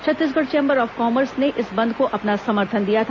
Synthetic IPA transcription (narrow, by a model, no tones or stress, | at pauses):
t͡ʃʰɐt̪ːiːs̬ɡəɽt͡ʃẽːmbəɾɔːfkɔːməɾsneʔɪsbɐ̃nd̪ʱkoʔɐpnasɐməɾt̪ʰənd̪ijat̪ʰa